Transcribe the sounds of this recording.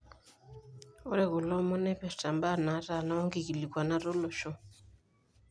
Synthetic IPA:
ɔ˦ɾɛ˦˨ɣu˨lɔ˦mɔ˦nɛ˦pɛ˨sta˨mba˦˨na˨˦ɾa˨na˦ɔ˦ŋɡi˨ki˨li˨kwa˨na˦ɾo˦lɔ˨ʃɔ˦

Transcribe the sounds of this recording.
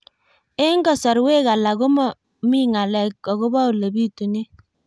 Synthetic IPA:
e˦ŋɡɔ˦sɔ˨ɾwe˦ka˨la˨ko˦mɔ˦ | mi˦ŋa˨lɛ˨kːɔ˨ɣo˦bɔ˦˨le˨bi˦tu˨ne˦

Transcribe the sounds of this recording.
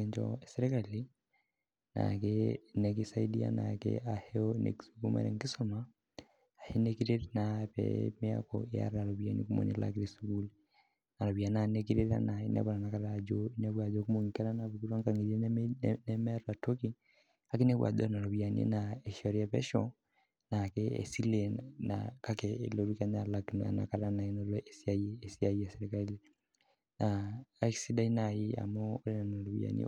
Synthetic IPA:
ɲd͡ʒɔ̰esɛɾe˦ka˨li˦ | na̰˨kenɛk̬i˦sai˦dia̰˦na̰kḛa˨hɛonḛ˨ki̥suku˦ma̰˨nɛ̰˨ŋki˦sɔma | a˨he˦ne˦kiɾe˦tnapɛ̰mea̰˦kɔ̰ja̰˦ɾa˨ɾɔ˨βja˨nḭ˦ku˦mo̰˨nḛ˨la̰kɾesu˦ɡu˦l | na˨ɾɔ˨βja˨na˦neki˦ɾeɾa̰˦na˨e˦nɛ̰˦βɔ˨ɾa˨na˨ka˨ɾad͡ʒonɛ˦βwa˨ðoku˦mo˨ŋi˨ka˦ɾana˨βu˨ku˦ɾwa˦ŋka˨ŋɡi˨ɾe˦nɛmɛ˦ɾɔa˨to˦ki˦ | a˨ke˦ne˦βwa̰˨ðo̰˦na˨ɾɔ˨βia˨njḛ˦nae˨ʃɔ˨ɾa˦βɛ̰˦ʃɔ | na˨kɛ˦ḛ˨si˦le˨nna̰˨ka˦keḛ˨lo˨ɾuka˦ɲalakna̰˨na̰˨ka˨ɾa˦na˨eno˦oʔe˨siaː˦˨si˦a˦i˦a˨seɾekali˦le | naa˦ksi˦da˦i˦na˨ji˦a̰˨moː˦ɾena˨no˨ɾo˨βj̰a̰˨njḛ

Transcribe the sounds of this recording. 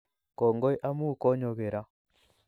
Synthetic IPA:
kɔ˨ŋɡɔ˦jʔa˦mu˦˨kɔ˦ɲɔ˨ɣe˨ɾa˦

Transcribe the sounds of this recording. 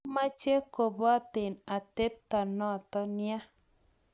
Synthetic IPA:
ma˦t͡ʃe˦ko˨bo˦a˦t̪e˨na˨t̪e˦p̚t̪a˨nɔ˦˨t̪ɔ˦nja˦

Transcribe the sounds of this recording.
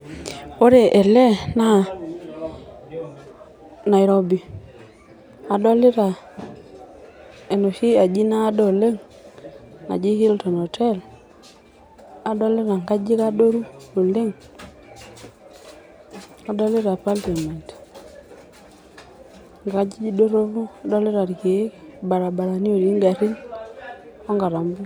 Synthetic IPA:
o˦ɾe˨ʔɛ˨lɛ˦na˦˨ | na˨i˨ɾo˦bi˨ | a˨dɔ˦lɪ˦ɾa˨ | e˨no˨ʃi˦a˨d͡ʒi˦naː˦dɔ˨le˦ŋ | a̰˨d͡ʒi˦hi˦ltɔ˨no˨tʰɛ˦˨l | a˨dɔ˦lɪ˦ɾa˨ŋɡa˦d͡ʒi˦ka˦do˦ɾu˦u˨lɪ˦ŋ | a˨dɔ˦lɪ˦ɾa˨pa˦lta˨ma˨nt | ŋɡa˦d͡ʒi˦d͡ʒi˦do˦ɾo˦βu˦a˨dɔ˦lɪ˦ɾa˨ɾke˨˦ba˨ɾa˨ba˨ɾa˨ni˦o˨ɾi˦ŋɡa˨ɾi˦n | ɔ˦ŋɡa˨ɾa˨mbu˦

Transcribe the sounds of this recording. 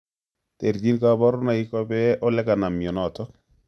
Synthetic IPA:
te˨rd͡ʒi˦nka˨bɔ˦ɾna˨i˦kɔ˦bɛ˦ʔɔ˦lɛ˦ka˨na˨mjɔ˨nɔ˨tɔ˦

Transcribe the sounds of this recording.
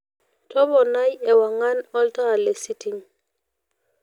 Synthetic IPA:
tʰɔ˦bɔ˨na˦jɛ˨wa˨ŋa˦nɔ˦lta˦a˨lɛ˨si˦tʰi˨ŋ

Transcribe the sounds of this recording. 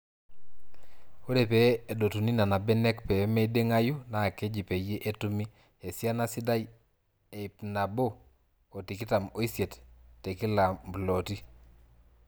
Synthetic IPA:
o˦ɾe˨pɛ˨e˨do˨tu˨ni˦na˨na˨bɛ˦nɛ˦kpɛ˨˦me˦de˦ŋa˦ju˦na˨ke˦d͡ʒi˨pe˨je˦ʔe˦tu˦mi˦ | e˨sja˦na˦si˦da˦j | e˨i˨pna˨bo˦ | o˨ti˨ki˦ta˨mo˨i˦sje˨ttːe˨ki˦la˨mblo˨ti˦

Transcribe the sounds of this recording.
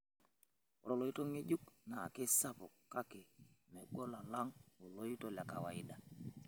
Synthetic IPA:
o˨ɾo˦˨lo˦i˦to˦ŋe˦d͡ʒu˦kna˨kɪ˦sa˦pʊ˨kːa˦kɪ˨mɛ˨ɡɔ˦la˨la˦ŋo˨lo˦i˦to˨lja˨ka̰˨wa˨i˦da˨

